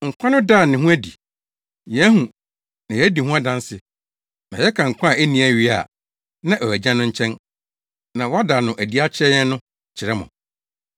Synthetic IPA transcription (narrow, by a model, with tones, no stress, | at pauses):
ŋ̩˨kʷʰã˦nʊ̃˦da˦˨nɪ̃˨ɦũ˦æ˦dḭ˨ | jɛ˦hũ˨ | nã˨jɛ˦di˨hũ˦a˦dã˦n˦sɪ˨ | nã˨jɛ˦kʰã˨ŋ̩˨kʷʰã˦˨e˦nĩ˨˦æ˦˨ɥi˦a̰˨ | nã˦ʔɔ˨æ˨d͡ʑã˦nʊ̃˦ɲ̩˦t͡ɕʰɛ̃˦n | nã˨wɔ˦a˦da˨nʊ̃˨ʔæ˨di˦a˦t͡ɕʰɛ˦jɛ˦nʊ̃˦ | t͡ɕʰɪ˨ɾɛ˦mʊ̰̃˨